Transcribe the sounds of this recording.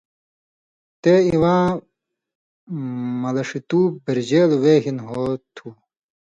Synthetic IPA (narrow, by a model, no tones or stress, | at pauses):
t̪eːiwãː | mɐlɐʂit̪uːbiɾd͡ʑeːlweːɦinɦoːt̪ʰuː